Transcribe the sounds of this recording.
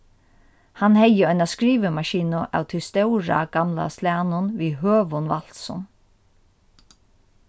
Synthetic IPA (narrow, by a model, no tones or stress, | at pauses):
hanhɛjəɔʏnaskɾiːʋəmaʃiːnʊʔa̰ːwt̪ʰɪst̪ɛwɾa̰ɡ̥amla̰slæːnʊnʋiːɦøːʋʊnʋal̥t̪sɔ̰n